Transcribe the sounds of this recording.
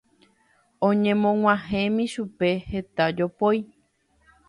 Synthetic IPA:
õɲẽ̞mõŋ̃ʷãɦẽmĩʃupe̞he̞t̪ad͡ʒopoj

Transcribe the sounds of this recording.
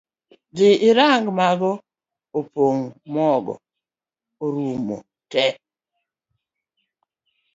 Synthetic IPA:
d͡ʒɪʔɪɾaŋɡmaɡɔ | opoŋmɔɡɔ̰ | oɾumo̰ | tɛ

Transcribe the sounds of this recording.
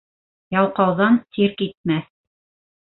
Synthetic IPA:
jɑwqɑwðɑnsiɾkit̪̚mæθ

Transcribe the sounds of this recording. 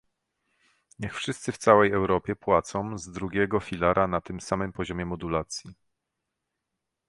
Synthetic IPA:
ɲɛxfʂɘst̪sɘft̪sawɛjɛwɾɔpʲjɛpwat̪sɔ̃zd̪ɾuɡʲɛɡɔfʲilaɾʔanat̪ɘmsamɘmpɔʑɔmʲjɛmɔd̪ulat̪sʲji

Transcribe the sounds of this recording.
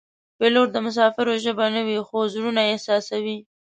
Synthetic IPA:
peloɾd̪əmʊs̬ɑfɪɾoʒəbanawixozɾunaesɑsawi

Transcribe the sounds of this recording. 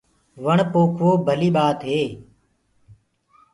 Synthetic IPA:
ʋəɳpoːkʰʋoːbʱəliːɓaːt̪ɦeː

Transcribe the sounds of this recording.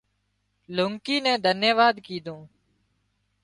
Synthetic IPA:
lʊŋkiːnɛ̃ːd̪ʱənjəʋaːd̪kiːd̪ʱõː

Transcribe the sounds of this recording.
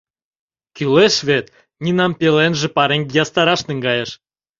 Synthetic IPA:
kʲyleʃvʲet̪ | nʲinɑmpʲelenʒĕpɑɾeŋʲjɑst̪ɑɾɑʃniŋɡɑjɤ̆ʃ

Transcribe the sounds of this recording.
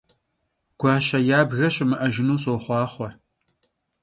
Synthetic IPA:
ɡ̥ʷɑːɕɐjaːbɣɐɕʼɪmɨʔɐʒɪnuːɕʼoːχʷɑːχʷɔr

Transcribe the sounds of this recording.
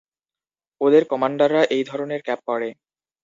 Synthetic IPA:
od̪eɾkɔmaɳɖaɾːaʔejd̪ʱɔɾoneɾkɛp̚ːɔɽe

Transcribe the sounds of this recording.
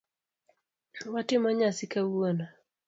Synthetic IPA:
watɪmaɲasɪkawona

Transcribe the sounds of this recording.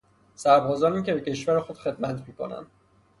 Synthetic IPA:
sæɾbɒːzɒːniːcʲʰe̞be̞cʰe̞ʃvæɾexo̞d̪χe̞d̪mæt̪ʰmiːkʰonæ̰nd̪̥

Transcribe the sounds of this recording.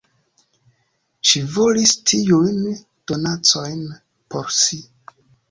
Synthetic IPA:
ʃivolistʰijujn | d̥o̞nat͡so̞jn | po̞ɾsi

